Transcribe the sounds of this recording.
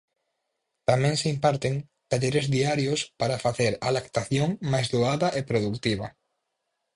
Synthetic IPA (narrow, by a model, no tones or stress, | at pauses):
t̪amɛ̃ŋseimpaɾt̪eŋ | t̪aʎeɾezðiaɾjospaɾafaθeɾalakt̪aθjoŋmajzðoaðɐʔepɾoðukt̪iβ̞ɐ̰